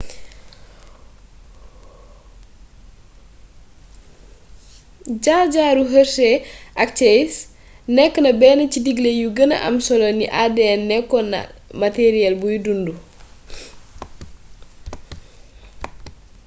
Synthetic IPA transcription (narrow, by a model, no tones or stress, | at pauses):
ɟaɟaɾuɦəsɛʔɐk̚t͡ʃɛjs | nɛkːənɐbɛːnɐcidiɡlejuɡənɐ̰ʔɐ̰msɔloniʔadenːɛkːɔnɐ̰mateɾiɛlbujudundu